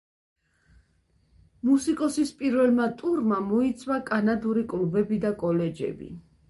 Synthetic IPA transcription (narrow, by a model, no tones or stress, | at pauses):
musikʼɔsispʼiɾvɛlmat̪ʼuɾmamɔit̪sʰʼwakʼanad̪uɾikʼlubɛbid̪akʼɔlɛd͡ʒɛ̰bḭ